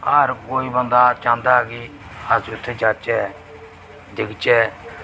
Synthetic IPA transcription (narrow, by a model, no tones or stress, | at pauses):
aːɾkoːiːbənd̪aːt͡ʃãːnd̪aːɡiːazʊt̪ʰːed͡ʒaːt͡ʃɛː | d̪ɪkt͡ʃɛː